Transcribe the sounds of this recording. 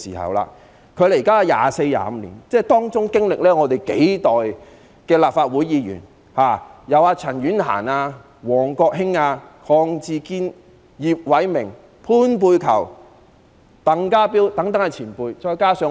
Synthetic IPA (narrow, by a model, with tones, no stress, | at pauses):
siː˨˩hɐ̰˨wla̰ː˧ | kʰɵ˨˧ɥle˨˩jkaː˥˧ja̰ː˨˧se˧jja̰ː˨˧m̩˧lḭː˨˩nt͡sɛː˥t̪ɔː˥ŋt͡sʊ˥ŋkɪ˥ŋlɪ˨k̚lɛː˥ŋɔː˨˧t̪e˨jke˨˥jt̪ɔː˨j | kɛː˧laː˨p̚faː˧t̚wuː˨˥jiː˨˧jy̰ː˨˩n | haː˨jɐ˨˧waː˧t͡sʰɐ˨˩nɥyː˨˥nɦa̰ː˨˩naː˧ | wɔː˨˩ŋkɔː˧k̚ɦɪ˥ŋaː˧kʰɔː˧ŋt͡siː˧kiː˥n | jiː˨p̚wɐ˨˥jmɪ˨˩ŋ | pʰuː˥npuː˧jkʰɐ̰˨˩w | t̪ɐ˨˥ŋkaː˥piː˥wt̪ɐ˨˥ŋt̪̬ɐ˧˥ŋa˨t͡sʰiː˨˩npuː˧jt͡ʃɔː˧jkaː˥sœː˧